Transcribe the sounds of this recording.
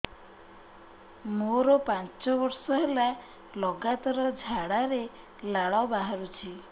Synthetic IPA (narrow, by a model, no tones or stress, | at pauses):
moɾɔpant͡ʃɔbɔɾsɔɦela | lɔɡat̪ɔɾɔd͡ʒʱaɽaɾe | laɭɔbaɦaɾut͡ʃʰi